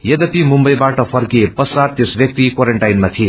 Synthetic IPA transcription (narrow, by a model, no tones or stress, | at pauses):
jed̪ʌpimumbʌjbaʈʌpʰʌrkiepʌsad̪t̪esbʱjʌk̚t̪ikwaɾeɳʈajnmat̪ʰie